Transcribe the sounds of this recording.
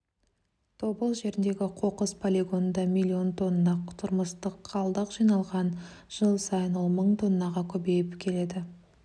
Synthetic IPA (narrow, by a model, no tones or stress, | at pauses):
t̪ʰo̞bəlˠʒe̞ɾɪnd̪e̞ɡʲɪqʰo̞qəspʰolʲeɡo̞nənd̪ɑmilʲːio̞nt̪ʰo̞nnɑqt̪ʰʊɾməst̪əqʰːɑlˠd̪əqʒijnɑlˠʁɑnʒ̥əlˠsɑjənwo̞lˠməɴt̪ʰo̞nːɑʁɑkʲʰɵbe̞jɪpkʲʰe̞le̞d̪ɪ